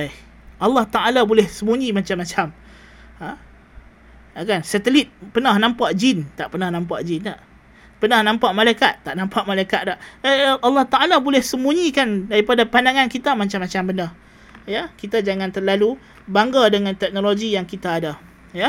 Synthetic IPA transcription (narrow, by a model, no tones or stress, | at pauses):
a | alːɑht̪aalabolɛhsəmuɲĩmat͡ʃamːat͡ʃam | a | akansat̪əlit̪̚pənahnãmpaʔd͡ʒint̪aʔpənahnãmpaʔd͡ʒint̪aʔ | pənahnãmpaʔmalajkat̪̚ːaʔnãmpaʔmalajkat̪̚laʔalːɑht̪aʔalabolɛhsəmuɲikandaɾipadapandaŋankit̪amat͡ʃamːat͡ʃambəna | jakit̪ad͡ʒaŋãnt̪ərlalu | baŋɡadəŋant̪ɛk̚noloɡijaŋkit̪aːda | ja